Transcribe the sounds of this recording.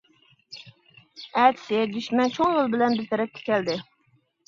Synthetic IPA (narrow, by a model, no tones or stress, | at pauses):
ɛt̪ʰɪ̥sɪd̪yʃmɛnt͡ʃʰoŋjolˠbɪlɛnbɪzt̪ʰɛɾɛp̚t̪ʰɪ̥kʲɛld̪ɪ